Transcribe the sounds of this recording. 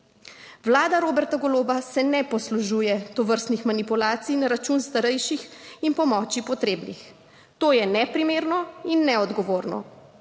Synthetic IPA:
ʋlaːd̪aɾoːbɛɾt̪aɡɔloːbasɛnɛpɔsluʒuːjɛt̪ɔʋəɾst̪nixmanipulaːt̪sijnaɾat͡ʃunst̪aɾɛjʃixinpɔmɔːt͡ʃipɔt̪ɾeːbnix | t̪oːjɛnɛpɾimeːɾnɔinːɛɔd̪ɡɔʋoːɾnɔ̰

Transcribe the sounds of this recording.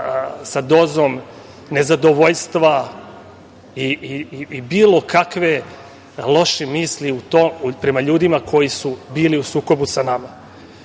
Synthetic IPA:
sad̪o̞ːzo̞m | ne̞zad̪oʋoʎst̪ʋa | i | biːlˠo̞kʰakʋe̞ | lˠo̞ʃimiːsliut̪oupɾe̞maʎuːd̪imakʰo̞jisubiːliusuːko̞busanama

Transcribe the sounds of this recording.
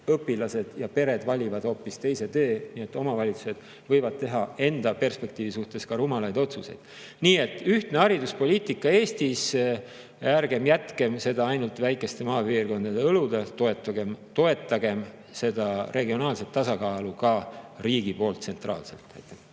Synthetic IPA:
ɤpːilɑse̞d̪̥jɑpe̞ɾe̞d̪̥vɑlʲivɑd̪̥o̞ːpːist̪e̞jse̞t̪e̞ːniːet̪ːˑo̞mɑvɑlʲit̪su̥se̞d̪̥ | vɤjvɑd̪̥̚t̪e̞ɦɑe̞nd̪̥ɑpe̞rspe̞k̚t̪iːvisuht̪e̞skɑɾumɑlɑjd̪̥o̞t̪suse̞̰jd̪̥ | niːe̞t̪ːˑyht̪neɑɾid̪uspo̞lʲiːt̪ˑikːˑɑe̞ːst̪is | æɾɡe̞mjæt̪ke̞mse̞d̪ɑɑjnult̪væjkːˑe̞st̪e̞mɑːpiːrko̞nd̪̥ɑd̪̥e̞ɤlud̪̥et̪o̞et̪ːˑɑɡemt̪o̞e̞t̪ːˑɑɡ̥e̞m | se̞d̪̥ɑrʔe̞ɡio̞nɑːlse̞t̪ːɑsɑkɑːlukɑriːɡ̥ipo̞ːlt̪ːse̞nt̪rɑ̰ːlse̞̰lt̪ːæjt̪ːˑe̥

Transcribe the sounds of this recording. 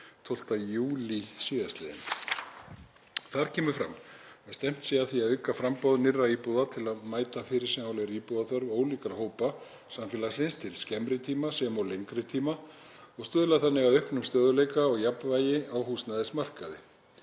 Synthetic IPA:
t̪ʰowl̥t̪ajuːlisiːðast̪lɪːðɪ̰n | θaðɾ̥cʰɛːmʏ̥fɾa̰mɛst̪ɛm̥t̪siaθiaðʏɥkafɾampɔðnɪrːaiːpuðat̪ʰɪlaðmaːjt̪afɪɾɪɾ̥sɛmhawleɾiːpuðaθœɾvoːwliːkaɾ̥hoːwpa | samfɪːlasɪnst̪ʰɪlscɛmɾɪt̪ʰiːmasɛmɔlejŋkɾɪt̪ʰiːma | ɔɣst̪ʏðlaθanːɪɣaðʏhpnʏmst̪œːðʏleːjkaɔɣjapnvaːjɪawɦusnaðɪsmar̥kaðɪ̰

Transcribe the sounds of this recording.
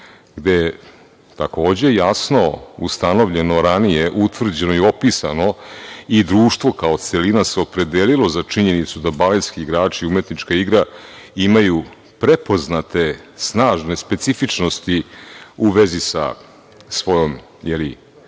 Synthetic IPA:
ɡd̪e̞je | t̪ako̞ːd͡ʑe̞jasno̞ust̪ano̞ʋʎe̞no̞ɾanije̞ʔut̪ʋr̩d͡ʑenoio̞pisano̞id̪ɾuːʃt̪vʋo̞kao̞t̪se̞linaseopɾe̞d̪eːlilo̞zat͡ʂiɲe̞nit̪sud̪abaleskiːɡɾaːt͡ʃiume̞t̪nit͡ʂkaiɡɾaimaju | pɾe̞po̞znat̪e̞snaːʒne̞spe̞t̪sifit͡ʂno̞st̪iuʋe̞zisa̰ | sʋo̞jo̞m | jeli

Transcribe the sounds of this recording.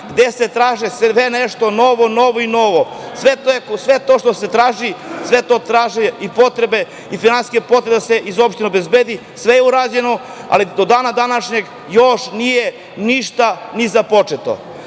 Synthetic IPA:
ɡd̪eset̪ɾaːʒisʋeneʃt̪o̞no̞ʋono̞ʋoino̞ʋo | sʋet̪oekosʋe̞t̪oʃt̪ose̞t̪ɾaːʒisʋe̞t̪o̞ːt̪ɾaːʒiipo̞t̪ɾebe̞ | ifinansi̥skʲepot̪ɾebd̪aseʔizopʃt̪ineobezbeːd̪i | sʋejeuɾaːd͡ʑeno | a̰lid̪od̪aːnad̪anaʃɲe̞ɡ | joʃnije | niʃt̪anizapo̞t͡ʃet̪o̰

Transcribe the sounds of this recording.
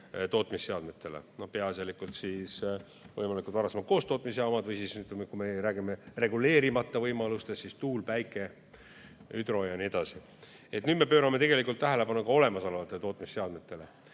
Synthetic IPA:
t̪o̞ːt̪ˑmisːe̞ɑd̪me̞t̪ːe̞lḛno̞hpe̞ɑselikult̪siːs | vɤ̰jmɑlikult̪vɑɾɑsemɑt̪̚ko̞ːst̪o̞ːt̪ˑmisjɑmɑd̪vɤjsisnyt̪mekumeɾæːɡimere̞ɡule̞ːɾimɑt̪ːˑɑvɤjmɑlust̪e̞sːist̪uːlpæjkːˑe̞ | yd̪ɾo̞jɑnie̞d̪̥ɑsi | e̞t̪nyːd̪me̞pøːɾɑme̞t̪e̞ɡe̞likˑult̪ːæɦæle̞pɑnukɑo̞le̞mɑsɑlɑvɑt̪ːˑet̪o̞ːt̪misːeɑd̪̥me̞t̪ːˑe̞le̞

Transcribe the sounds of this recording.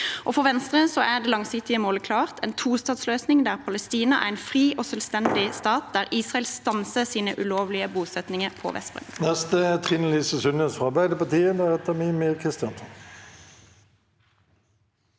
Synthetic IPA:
ʔoːfɔʁʋɛnst̪ʁəsɔʔæʁd̪eːlɑŋsɪkt̪ɪəmoːləkʰlɑːʁt̪ʰɛ̰ːnt̪ʰuːst̪ɑːd̪sløːsnɪŋd̪æːʁpʰɑləst̪iːnɑʔæ̰ːʁɛɪnfʁiːʔoːsœlst̪ɛnd̪ɪst̪ɑːt̪̚d̪æːʁiːsʁɑɛlst̪ɑnsəsiːnəʔʉloːʋlɪəbuːsɛt̪nɪŋəʁpʰɔ̰ʋʔɛ̰spʁɛ̰nnɛst̪ət̪ʰʁɪnəlisəsʉnəsfɔɑʁbæɪd̪əpɑt̪iːəd̪æːʁɛt̪ːəmiːmeːʁkʰʁɪst̪jɑnsɔn

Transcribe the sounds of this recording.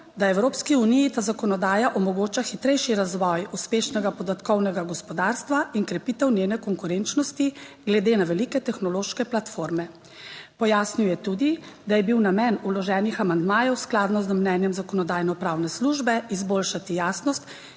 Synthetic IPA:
d̪aɛwɾoːpskiunijit̪aːzakɔnɔd̪aːjaʔɔmɔɡoːt͡ʃaxit̪ɾɛjʃiɾazʋɔjuspeːʃnɛɡapɔd̪at̪kɔwnɛɡaɡɔspɔd̪aːɾst̪ʋaʔiŋkɾɛpiːt̪ɛwnjeːnɛkɔŋkuɾent͡ʃnɔst̪iɡlɛd̪eːnaʋɛlikɛt̪ɛxnɔloːʃkɛplat̪foɾmɛ | pɔjaːsniwjɛt̪uːd̪i | d̪ajɛbiwnamɛnulɔʒɛːnixamand̪maːjɛwsklaːd̪nɔzəmnɛːnjɛmzakɔnɔd̪aːjnɔpɾaːwnɛsluʒbɛizbolʃat̪ijaːsnɔst̪

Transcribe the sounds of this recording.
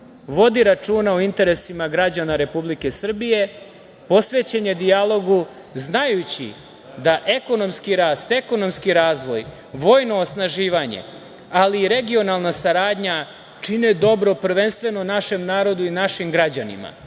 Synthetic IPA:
ʋo̞d̪iɾat͡ʂuːnaoint̪e̞ɾe̞simaɡɾad͡ʑanaɾe̞publike̞sr̩bije̞ | po̞sʋe̞t͡ɕeɲe̞d̪ijalˠo̞ɡu | znajut͡ɕḭ | d̪aʔe̞ko̞no̞mskiɾaːst̪e̞ko̞no̞mskiɾaːzʋo̞̰j | ʋo̞ːjno̞ːsnaʒiːʋaɲḛ | aliːɾe̞ɡio̞nalˠnasaɾaːd̪ɲa | t͡ʂine̞d̪o̞bɾo̞pr̩ʋe̞nst̪ʋe̞nonaʃe̞mnaːɾo̞d̪uinaʃimɡɾad͡ʑanḭma̰

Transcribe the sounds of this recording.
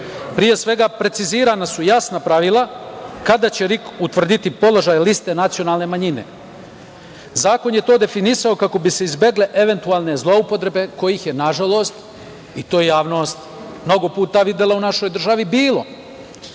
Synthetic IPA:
pɾije̞sʋe̞ɡapɾe̞t̪siziːɾanasujasnapɾaʋilˠakad̪at͡ɕeɾikut̪ʋr̩d̪it̪ipo̞lˠo̞ʒajlist̪e̞nat̪sijo̞naːlˠne̞maɲine̞̰ | zaːko̞njet̪o̞ːd̪e̞finisaokako̞bise̞izbe̞ɡle̞ʔe̞ʋe̞nt̪uaːlˠne̞zlˠo̞upo̞t̪ɾe̞be̞ko̞jixjenaʒalo̞st̪ | it̪o̞ːjejaːʋno̞ːst̪ | mno̞ɡo̞puːt̪aʋid̪elaunaʃo̞jd̪r̩ʒaʋibiːlo̞

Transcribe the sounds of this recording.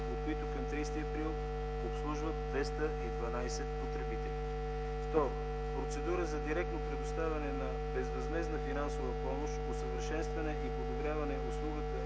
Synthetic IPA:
ot̪kʊit̪ʊkɐmt̪ɾijst̪iɐpɾilˠ | opslˠuʒvət̪̚d̪vɛst̪əʔid̪vɐnajsɛt̪pot̪ɾɛbit̪ɛlʲi | ft̪ɔɾʊ | pɾot̪sɛd̪uɾəzɐd̪iɾɛk̚t̪nopɾɛd̪ʊst̪avʲɐnɛnɐ | bɛzvɐzmɛznəfinansovəpɔmoʃt̪osəvəɾʃɛnst̪vɐnɛʔipod̪obɾjavɐnɛʔʊslˠuɡət̪ə

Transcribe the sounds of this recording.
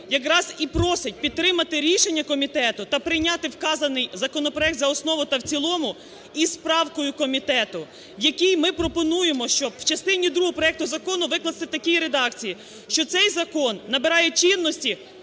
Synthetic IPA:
jɐk̬ɾɑzipɾɔsɪt̚ʲpʲid̪̚t̪ːɾɪmɐt̪ɪɾʲiʃe̞nʲːɐkɔmʲit̪ɛt̪ʊt̪ɐpɾɪjnʲɑt̪ɪwkɑzɐnɪjzɐkɔnɔpɾɔjɛk̚t̪zɐɔsnɔʋʊt̪ɐwt͡sʲilˠɔmʊ | ispɾɑwkɔjʊkɔmʲit̪ɛt̪ʊ | wjɐkʲijmɪpɾɔpɔnujemɔʃt͡ʃɔbwt͡ʃɐst̪ɪnʲid̪ɾuɦɔpɾɔɛk̚t̪ʊzɐkɔnʊʋɪklˠɐst̪ɪt̪ɐkʲijiɾed̪ɑkt͡sʲiji | ʃt͡ʃɔt̪sɛjzɐkɔnːɐbeɾɑjɛt͡ʃinːɔsʲtʲi

